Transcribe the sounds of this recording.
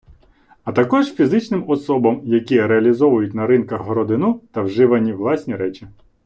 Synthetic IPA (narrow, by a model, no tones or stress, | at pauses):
ɐt̪ɐkɔʒfʲizɪt͡ʃnɪmɔsɔbɐmjɐkʲiɾeɐlʲizɔʋʊjʊtʲnɐɾɪnkɐɣɦɾɔd̪ɪnut̪ɐwʒɪʋɐnʲiʋlˠɑsʲnʲiɾɛt͡ʃʲi